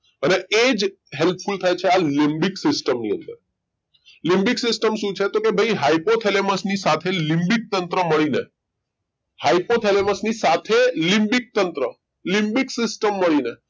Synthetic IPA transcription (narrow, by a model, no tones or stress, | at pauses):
əneed͡ʒ | ɦelp̚fult̪ʰajt͡ʃʰealɪ̃mbiksɪsʈəmniə̰̃nd̪əɾ | lɪ̃mbiksɪsʈəmʃũt͡ʃʰet̪okebʱəiɦaipot̪ʰeleməsnisat̪ʰelɪ̃mbik̚t̪ənt̪ɾəməɭine | haipot̪ʰeleməsnisat̪ʰelɪ̃mbik̚t̪ənt̪ɾə | lɪ̃mbiksɪsʈəmːəɭine